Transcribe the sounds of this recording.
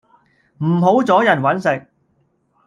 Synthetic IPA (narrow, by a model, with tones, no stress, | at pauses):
m̩˨˩ɦo˨˥wt͡sɔː˨˥jɐ˨˩nwɐ˨˥nsɪ˨k̚